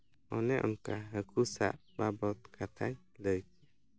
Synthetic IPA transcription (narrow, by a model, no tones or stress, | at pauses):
ɔnɛʔuŋkaɦəkusa̰ʔbabɔt̪kʰat̪ʰaɲ | ləjk